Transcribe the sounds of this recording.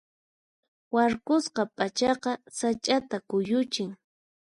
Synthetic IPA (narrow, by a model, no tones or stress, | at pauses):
waɾkʊsqɑpʼat͡ʃɑqɑsat͡ʃʼat̪akʊjʊt͡ʃɪŋ